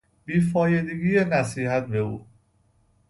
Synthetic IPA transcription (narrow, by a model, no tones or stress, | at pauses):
b̥iːfɒːjed̪eɡiːjenæsiːhæt̪̚be̞uː